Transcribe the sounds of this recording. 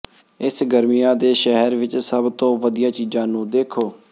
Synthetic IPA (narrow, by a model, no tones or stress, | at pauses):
ɪsɡəɾmijãːd̪eːʃəɦəɾʋɪt͡ʃsəbt̪õːʋəd̪ijãːt͡ʃiːzãːnũːd̪eːkʰoː